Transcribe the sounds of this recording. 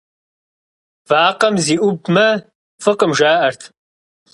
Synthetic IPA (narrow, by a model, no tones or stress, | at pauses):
vaːqɐmziːʔʷʊbmɐ | fɨqʼəmʒaːʔɐrtʰ